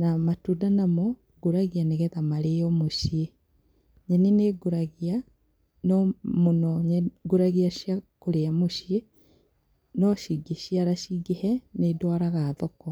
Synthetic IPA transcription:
namatudanamɔ | ɡoɾaɣianeɣɛðamaɾeɔmoʃie | ɲɛneneɡoɾaɣia | nɔmonɔɲɛɡoɾaɣiaʃiakoɾeamoʃie | nɔʃiɡeʃiaɾaʃiɡehɛnedwaɾaɣaːðɔkɔ

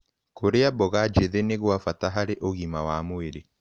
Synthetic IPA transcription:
koɾeabɔɣad͡ʒeðeneɣwafataɦaɾeʔoɣimawamoeɾe

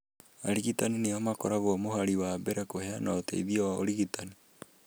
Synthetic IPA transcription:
aɾiɣitanineamakɔɾaɣoɔmohaɾiwabɛɾɛkoheanaotɛ̰iðiɔwaoɾiɣitani

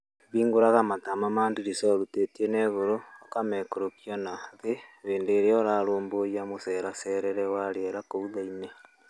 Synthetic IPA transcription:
βiːŋɡoɾaɣamatamamaːndiɾisɔɾutetienɛɣoɾoakamɛkoɾokiɔnaðeβeːndoeɾeɔɾaɾoːmbojamosɛɾasɛɾɛɾɛwaɾeeɾakouðaine

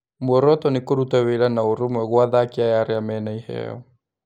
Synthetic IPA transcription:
mɔɾɔt̪ɔnɪkoɾutaweɾanaoɾumwɛɣwaðakiajaɾeamɛnaihɛ̰ɔ

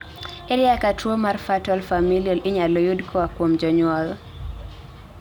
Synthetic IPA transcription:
ɛɾiakatʰuɔmaɾfatɔlfamiliɔliɲalɔjudkʰɔakwɔm̩d͡ʒɔɲwɔl

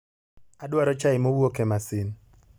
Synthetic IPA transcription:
adwaɾɔt͡ʃaɪmowokemasɪn

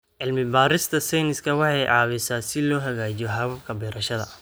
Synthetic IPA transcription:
ʕɪlmɪbaːɾɪst̪ʰɐsɛjnɪskʰɐwɑħɑjʕɑːβɪsaːsɪlɔːɦɐɣaːt͡ʃijɔɦɑβɐbkʰɐbɛːɾɐʃɐðɐ̰

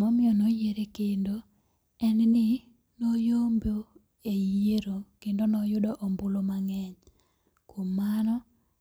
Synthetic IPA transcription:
mɔmɪɔnojeɾekendo | ɛnnɪ | nojombo | ejeɾokendonɔjʊdɔʔɔmbʊlomaŋɛɲ | komːanɔ

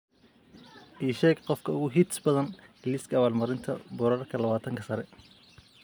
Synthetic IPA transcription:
ʔiːʃɛːɡqɔfkʰɐʊɣʊɦit̪sbɐðɐnɡliːskʰɐːβaːlmɐɾɪnt̪ʰɐbɔɾɐrkʰɐlɐβaːt̪ʰɐŋkʰɐsɐɾɛ

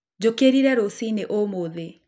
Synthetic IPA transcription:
d͡ʑokeɾiɾɛɾosineʔomoːðe

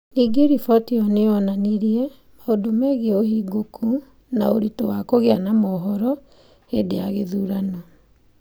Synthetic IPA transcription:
niɡeɾifɔtiɔneɔnaniɾiɛ | maodomɛɣeoɦiɡokʰu | naoɾitowakoɣeanamɔɦɔɾɔ | hedejaɣeðuːɾanɔ

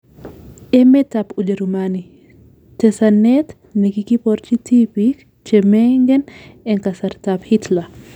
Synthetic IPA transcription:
ʔɛmɛtapud͡ʒeɾumani | tɛsanːɛt̪ | nekikipɔɾt͡ʃitipik | t͡ʃɛmɛŋɡɛnɛŋkasɐɾtaphitla

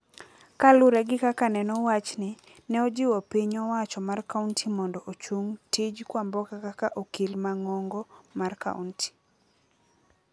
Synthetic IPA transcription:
kalʊɾɛɡɪkakanɛnɔwat͡ʃnɪ | nɛɔd͡ʒɪwɔpiɲɔwat͡ʃɔmarkauntʰimɔndɔʔot͡ʃuŋtɪd͡ʒkwambɔkakakaʔokilmaŋɔŋɡɔmarka̰ṵnti̥

